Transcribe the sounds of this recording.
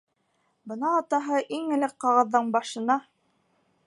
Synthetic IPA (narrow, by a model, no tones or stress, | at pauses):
bɤ̆nɑːt̪ɑɦɤʔiŋɘ̆lɘk̚qɑʁɤ̆ðːɤɴbɑʃɤ̆nɑ